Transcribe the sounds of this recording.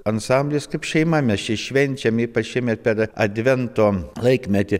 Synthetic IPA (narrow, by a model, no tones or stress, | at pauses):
ɐnsɐmʲbʲlʲeskɐɪpʃʲɛɪmɐmʲɛst͡ʃʲɪʃʲʋʲɛnʲt͡ʃʲɛmipɐʃʲimʲɛpʲɛɾɐd̪ʲʋʲɛnt̪oːlˠɐɪkmʲɛt̪ʲɪ